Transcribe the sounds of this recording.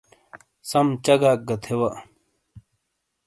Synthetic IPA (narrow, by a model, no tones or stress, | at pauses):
sɐmt͡ɕɐɡaːk̚ɡɐt̪ʰewɐ